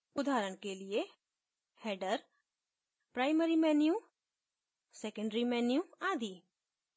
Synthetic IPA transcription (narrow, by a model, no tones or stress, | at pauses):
ʊd̪ʱaːɾəɽ̃kelɪe | hɛːɖəɾ | pɾaːɪməɾimɛːnjũ | sɛkəɳɖɾimɛːnjũaːd̪iː